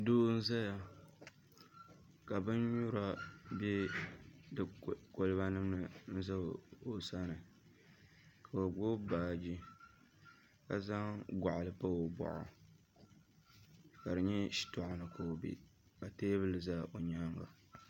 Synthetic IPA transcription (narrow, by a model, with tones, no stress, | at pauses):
doː˦n̩˦za˦ja˨ | ka˨bɨ˦n˦ɲu˦ɾa˦be˦ | dɨ˨ko˦lɨ˦ba˦nɨ˦mnɨ˨n̩˦za˦˨o˨sa˦nɨ˨ | ka˨o˨ɡ͡bo˦baː˨d͡ʒi˦ | ka˨za˦ŋɡʷa˨ʔʊ˨lɨ˦pa˦o˨bɔ̰˨ʔʊ̰˨ | ka˨dɨ˨ɲɛ˦ʃi̥˦tɔ˨ʔʊ˨nɨ˨kʰo˨o˨bḭ˦ba˨teː˦bɨ˦lɨ˨za˦ʔo˨ɲa˦ŋɡa̰˨